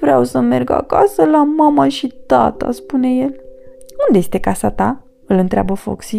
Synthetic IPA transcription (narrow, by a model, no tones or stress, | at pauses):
vɾeawsəme̞rɡa̰ka̰səlamamaʃit̪a̰t̪a̰spune̞jelund̪eje̞st̪e̞kasat̪a | ɨlɨnt̪ɾea̰bəfo̰ksi